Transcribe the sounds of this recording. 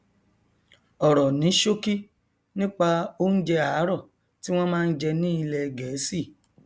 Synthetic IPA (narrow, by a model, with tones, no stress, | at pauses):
ɔ˨ɾɔ˨nĩ˨˦ʃo˦ki˦ | nĩ˦k͡pa˧o˦n̩˦d͡ʒɛ˧a˨˦ɾɔ˦˨ | ti˦w̃ɔ̃˦mãː˦˧n̩˦d͡ʒɛ˧nĩ˦i˧lɛ˧ɡɛ˨˦si˦˨